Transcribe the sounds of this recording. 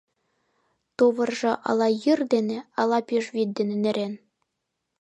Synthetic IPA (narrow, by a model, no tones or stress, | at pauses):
t̪oʋɤ̆rʐɤ̆ʔɑ̰lˠɑjɯrd̪enʲĕɑlˠɑpʲiʂβʲid̪̚d̪enʲĕnɘ̆ɾʲen